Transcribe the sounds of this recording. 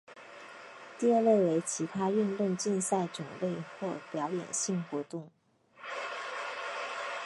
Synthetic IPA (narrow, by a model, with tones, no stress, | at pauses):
t̪i˥˧ə˞˥˧le˥˩ɪwe˧˥ɪt͡ɕʰi˧˥t̪ʰa˥y˥˧nt̪ʊ˥˧ŋt͡ɕi˥˧nsa˥˩ɪʈ͡ʂʊ˨˩ŋle˥˧ɪxwɔ˥˩pjɑ˧˥ʊjɛ̰˨˩nɕi˥˩ŋxwɔ˧˥t̪ʊ˥˩ŋ